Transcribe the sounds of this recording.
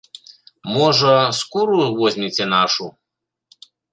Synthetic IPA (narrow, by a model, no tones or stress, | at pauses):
mɔʐɐskuɾuvɔzʲmʲit͡sʲɛnaʂu